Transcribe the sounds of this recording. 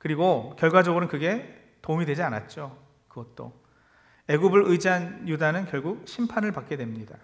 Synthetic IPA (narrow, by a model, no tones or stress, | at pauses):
kɯɾiɡokjʌɭɡwad͡ʑʌɡɯɾɯnkɯɡe̞ | toumidwe̞d͡ʑiana̰t̚t͡ɕ͈o | kɯɡʌt̚t͈o̰ | e̞ɡubɯɾɯjd͡ʑiɦanjudanɯnkjʌɭɡuk̚ɕʰimpʰanɯɭpak̚k͈e̞dwe̞mɲida